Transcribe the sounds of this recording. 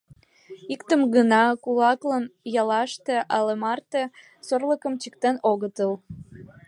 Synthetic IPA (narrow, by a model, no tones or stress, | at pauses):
ikt̪əmɡənɑkulɑklənjɑlɑʃt̪eʔɑlemɑrt̪e | sorləkəmt͡ɕik̚t̪enoɣət̪əl